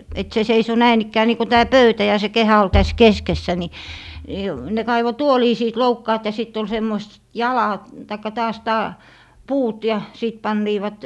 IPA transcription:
et se seiso næin ikːæː niː ko tæː pøytæ jɑ se kehæ ol tæs keskesːæ ni ni ne kɑiʋo tuoliː siːt loukːɑːt jɑ sitː ol semːois jɑlɑ tɑikːɑ tɑːs tɑː puːt jɑ siˑt pɑnːiːʋɑt

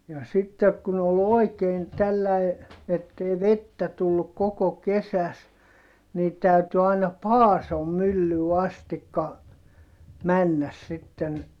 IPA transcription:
jɑ sitːek kun ol oˑi̯keːn tælːæi etːei ʋetːæ tulːuk koko kesæs niː tæˑyty ɑinɑ pɑːsom mylːyː ɑstikːɑ mænːæs sitːen

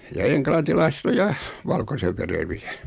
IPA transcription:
jɑ eŋklɑntilɑiset o jɑ ʋɑlkoseʋːereʋiæ

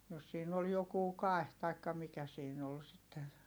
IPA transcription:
jos siːn ol jokuː kɑˑi̯h tɑikːɑ mikæ siːn ol sitːen̞

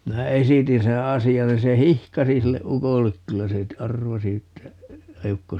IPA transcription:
minæ esitin seː ɑsiɑn nin se hihkɑsi silːe ukolːek kylːæ se ɑrʋɑsi etːæ eukːo

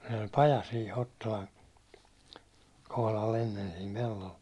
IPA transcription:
sen olʲ pɑjɑ siː hotːolɑn kohlɑl enːen siːm pelːol

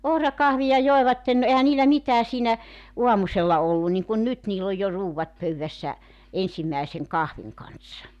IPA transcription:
ohrɑkɑhʋiɑ joeʋɑtːen no ehæ niːlæ mitæː siːnæ uɑmuselːɑ olːu niŋkun nyt niːlː oj jo ruːwʋɑt pøywʋæsːæ ensimːæˑeseŋ kɑhʋiŋ kɑnsːɑ

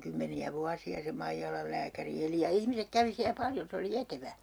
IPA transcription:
kymːeniæ ʋuɑsiɑ se mɑijɑlɑl læːkæri eli jɑ ihmisek kæʋi siæ pɑljon̞ se oli eteʋæ

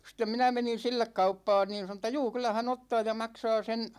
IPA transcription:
stem minæ menin̞ silːek kɑupːɑːn niːn̞ sɑno tːɑ juː kylˑæ hæn otːɑː jɑ mɑksɑː sen̞

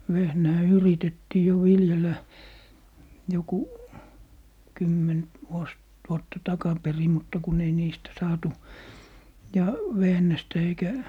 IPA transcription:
ʋehnæː yritetːiː jo ʋiljelæ joku kymːen ʋuos ʋuotːɑ tɑkɑperi mutːɑ kun ei niːstæ sɑːtu jɑ ʋehnæstæ eikæ

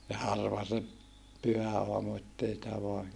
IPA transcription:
jɑ hɑrʋɑ se pyhæɑːmu etːei sĭtæ ʋoɑ

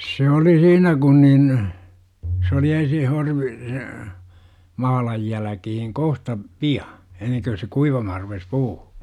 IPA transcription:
se oli siːnæ kun nin s oli ensin horʋi se mɑhɑlɑj jælækihiŋ kohtɑ piɑ enːeŋkø se kuiʋɑmɑhɑr rupes puː

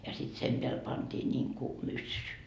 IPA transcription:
jɑ sit sem peæl pɑntiː nʲiŋku mysːy

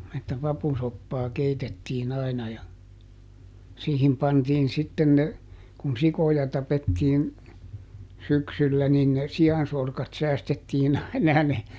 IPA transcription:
etːæ pɑpusopːɑː keitetːiːn ɑinɑ jɑ siːhim pɑntiːn sitːen ne kun sikojɑ tɑpetːiːn syksylːæ nin ne siɑnsorkɑt sæːstetːiːn ɑinɑ jɑ ne

